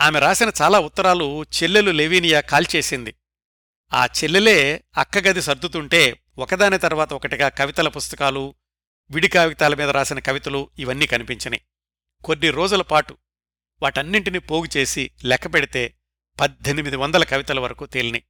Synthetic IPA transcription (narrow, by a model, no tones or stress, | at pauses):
aːmeɾaːsinɐt͡ʃaːlaːut̪ːɐɾaːlut͡ʃelːeluleʋiːnijaːkaːlt͡ʃe̞ːsind̪i | a̰ːt͡ʃelːele̞ːɐkːɐɡɐd̪isɐɾd̪ut̪uɳʈe̞ː | ɔkɐd̪aːnɐt̪ɐɾuʋaːt̪ɐɔkɐʈiɡaːkɐʋit̪ɐlɐpust̪ɐkaːlu | ʋiɽikaːʋɡit̪aːlɐmiːd̪ɐɾaːsinɐkɐʋit̪ɐluiʋɐnːiːkɐnipiɲt͡ʃinɐi | ko̞nːiɾo̞ːd͡ʒulɐpaːʈu | ʋaːʈɐnːiɳʈinipoːɡit͡ʃe̞ːsilɛkːɐpeɽit̪e̞ː | pɐd̪ʱenimid̪iʋɐnd̪ɐlɐkɐʋit̪ɐlɐʋɐɾɐkuːt̪elinḭ